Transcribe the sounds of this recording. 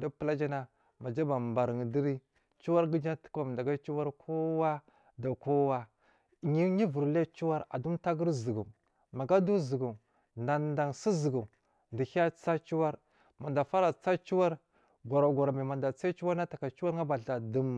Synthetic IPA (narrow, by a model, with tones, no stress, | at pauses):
di˦pə˦la˦d͡ʒa˦na˦ | ma˨d͡ʒa˦ba˨mba˨ɾŋ˨di˦ɾi˦ | t͡ʃu˦wa˦ɾɡi˦d͡ʒa˦tu̥˦ka˨m˨da˨ɡa˦t͡ʃu˦wa˦ɾkʰo˦wa˦ | da˨ko˦wa˦˨ | ɲi˦ɲi˦vu˨ɾla˦t͡ʃu˦wa˦ɾa̰˨du˦mta˦ɡə˦ɾzi˨ɡu˨ | ma˨ɡa˦du˦zə˨ɡu˨ | na˨nda˨ŋsi˦zə˨ɡu˨ | ndi˨hi˦a˦t͡sa˦t͡ʃu˦wa˦ɾ | ma˨nda˨fa˦ɾa˨t͡sa˦t͡ʃu˦wa˦ɾ | ɡʷa˨ɾa˨ɡʷa˨ɾa˨ma˨ma˨nda˨t͡sa˦i˦t͡ʃu˦wa˦ɾna˦ta˨ka˨t͡ʃu˦wa˦ɾŋa˦ba˨ɬa˨di˦m